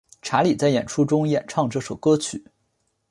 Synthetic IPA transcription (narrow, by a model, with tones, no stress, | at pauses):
ʈ͡ʂʰa˧˥li˨˩t͡sa˥˩ɪjɛ̰˨˩nʈ͡ʂʰu˥ʈ͡ʂʊ˥ŋjɛ˨˩nʈ͡ʂʰɑ˥˧ŋʈ͡ʂɤ˥˩ʂo˨˩ʊkɤ˥t͡ɕʰy̰˨˩˦